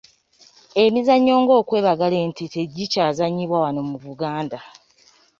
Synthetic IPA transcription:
e̞mizaɲːo̞ːŋɡo̞ːkwe̞ːβaɡale̞ːntite̞ɟːicaːzaɲːiβwawano̞muβuɡaːnda

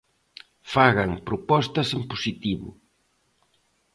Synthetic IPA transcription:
faɣɐŋpɾʊpɔst̪ɐsempusit̪iβʊ̰

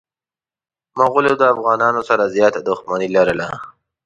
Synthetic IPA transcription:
maɣʊlod̪əafɣɑːnɑnosaɾazjɑːt̪ad̪ʊxmanilaɾəla

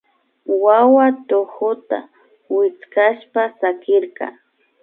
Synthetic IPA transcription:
wawat̪ohʊt̪a̰ | wɪt͡skaʃpasakɪɾqɑ̰

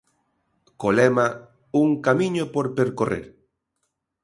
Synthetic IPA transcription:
kolema | uŋkamĩɲopoɾpeɾkorḛɾ

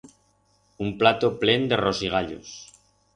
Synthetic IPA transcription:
umplat̪ople̞nd̪e̞rosiɣ̞aʎo̰s

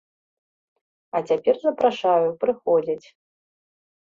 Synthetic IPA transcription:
ɐt͡sʲapʲɛrzɐpɾaʂajupɾɨxɔd͡zʲit͡sʲ

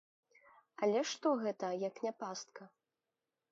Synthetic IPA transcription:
ɐlʲɛʂt̪ɔɣɛt̪ɐjɐknʲapast̪̚kɐ

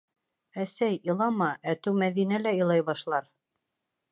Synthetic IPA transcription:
æsæjɤ̆lˠɑmɑʔæt̪ʉwmæðinælæɤ̆lˠɑjβɑʃlˠɑɾ

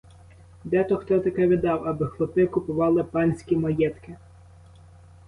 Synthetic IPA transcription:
d̪ɛt̪ɔxt̪ɔt̪ɐkɛʋʲid̪ɑwɐbɪxlˠɔt̪ɪkʊpʊʋɑlˠɪpɑnʲsʲkʲimɐjɛt̪kɪ

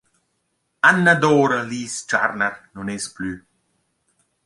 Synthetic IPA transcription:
anːəd̪oːɾəliːst͡ʃa̰ɾnəɾnunesply

